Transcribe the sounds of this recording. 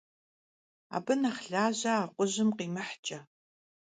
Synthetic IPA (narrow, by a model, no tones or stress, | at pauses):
a̰ːbɨnaχɬaːʑɐːqʷʊʑɪmqiːmɨħt͡ʃʼɐ